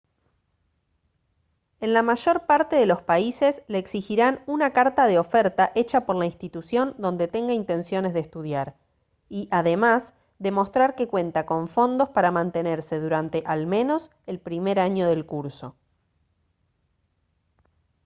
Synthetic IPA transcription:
e̞nlamaʒo̞ɾpaɾt̪eðe̞lo̞spaise̞sleːksixiɾanunakaɾt̪aðeo̞feɾt̪aʔe̞t͡ʃapo̞ɾlainst̪it̪usjo̞nd̪o̞nd̪e̞t̪e̞ŋɡaint̪e̞nsjo̞ne̞zðest̪uð̞jaɾ | iʔaðe̞mas | ðe̞mo̞st̪ɾaɾke̞kwe̞nt̪ako̞ɱfo̞nd̪o̞spaɾamãnt̪e̞neɾse̞ðuɾant̪e̞ʔalmẽ̞no̞s | e̞lpɾimeɾaɲo̞ðe̞lkuɾso̞

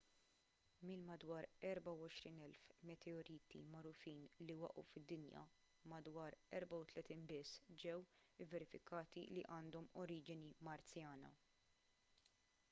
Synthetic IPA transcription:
milmɐd̪wɐːɾɛɾbɐwɔʃɾiːnɛlfmɛt̪ʰɛɔɾiːt̪ḭmɐɾʊfiːnliwɐ̰ʔṵfɪd̪ːɪnjɐ̰ | mɐd̪wɐːɾɛɾbɐwt̪lɛt̪iːnbɪsːd͡ʒɛwɪvːɛɾɪfɪkɐːt̪iliʔɐːnd̪ɔmɔɾiːd͡ʒɪnimɐɾt͡sjɐːnɐ̰

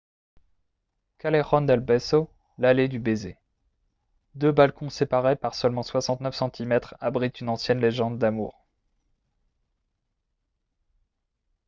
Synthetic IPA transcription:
kaleʁɔnd̪ɛlbɛso | laled̪ybezḛ | d̪øbalkɔ̃sepaʁepaʁsœlmɑ̃swasɑ̃t̪nœfsɑ̃t̪ʰimɛt̪χabʁit̪ynɑ̃sjɛnleʒɑ̃d̪ːamṵːʁ

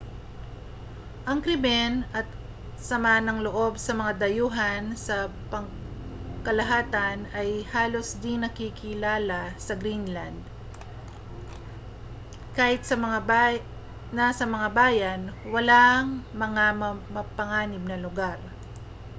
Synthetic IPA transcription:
ʔɐŋkɾɪbɛnʔɐt̪̚ | sɐmaːnɐŋloʔo̞bsɐmɐŋad̪ɐjuːɦɐnsɐpɐŋ | kɐlɐɦaːt̪ɐnɐjhaːlo̞sd̪ɪŋnːɐkikɪlaːlasɐɡɾinland̪̚ | kaːhɪt̪̚sɐmɐa | nɐsɐmɐŋabaːjanwɐlaŋmɐŋammɐpɐŋaːnɪb̚nɐlʊɡaɾ

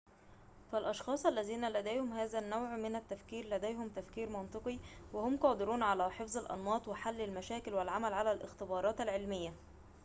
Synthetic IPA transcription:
fælʔɑʃxɑːsˤʔælːæziːnælæd̪æjhʊmɦæːzænːowʕmɪnæt̪ːæfkiːɾlæd̪æjɦʊmt̪æfkiːɾmɑnt̪ˤɨqiwɪhʊmqɑːd̪ɪɾuːnʕalæħefzˤɑlʔɑ̰nwɑːt̪ˤwɪħalːɪlmæʃæːkɪlwɪlʕamælʕalælʔɪ̰xt̪ɪbɑːɾˤɑːt̪ælʕelmɪjːæ

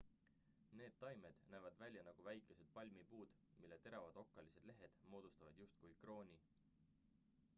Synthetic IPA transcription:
ne̞ːd̪̥t̪ːɑjme̞d̪̥næːvɑd̪̥vælʲjɑnɑɡ̥uvæjkːˑe̞se̞d̪̥̚pɑlʲmipuːd̪̥ | milːe̞t̪e̞ɾɑvɑd̪̥o̞kːɑlise̞d̪̥le̞ɦe̞d̪̥mo̞ːd̪ust̪ɑvɑd̪̥just̪̚kujkro̞ːnʲi

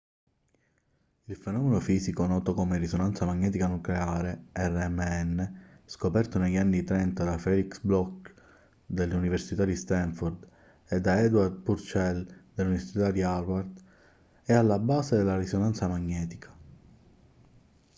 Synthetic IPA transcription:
ilfenɔːmenofiːzikonɔːt̪okomeɾisonant̪samaɲːɛːt̪̬ikanukleaːɾeɛrːeɛmːeɛnːeskopɛrt̪oneʎːanːit̪ɾɛnt̪ad̪afɛliksblɔk | d̪elːuniversit̪ad̪ist̪ɛɱfoɾd̪ | ed̪aɛd̪ward̪̚puɾt͡ʃɛld̪elːuniversit̪ad̪iaɾward̪ | ɛalːabaːzed̪elːaɾisonant̪samaɲːɛːt̪i̥kʰḁ

